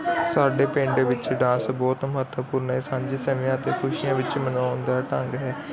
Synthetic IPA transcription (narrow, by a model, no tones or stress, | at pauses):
saːɖeːpẽːɳɖeːʋɪt͡ʃɖãːsbɔːt̪məɦət̪əpuːɾnɛːsãːɲd͡ʒiːsɛmejãːt̪eːkʰʊʃijãːʋɪt͡ʃmənãːʊnd̪aːʈə̃ŋɡɦɛː